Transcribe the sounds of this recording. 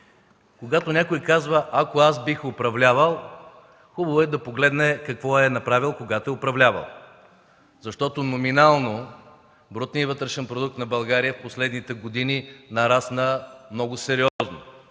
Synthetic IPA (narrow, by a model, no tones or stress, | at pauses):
koɡat̪onʲakojkazvəʔakoasbixʊpɾɐvlʲavəlˠ | xubɐvoɛd̪ɐpoɡlɛd̪nɛkɐkvɔɛnɐpɾavilˠkoɡat̪oɛʊpɾɐvlʲavɐ̰lˠ | zɐʃt̪ɔt̪onominalˠno | bɾɔt̪niəvɤt̪ɾɛʃɛnpɾod̪uk̚t̪nɐbɐlˠɡaɾijəfposlɛd̪nit̪ɛɡod̪ininɐɾasnəmnɔɡʊsɛɾiɔzno